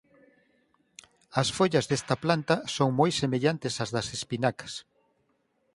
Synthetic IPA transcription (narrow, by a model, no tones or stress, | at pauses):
ɐsfoʎɐzðest̪ɐplant̪ɐsoŋmojsemeʎant̪ɪsɐzðɐsespinakɐ̥s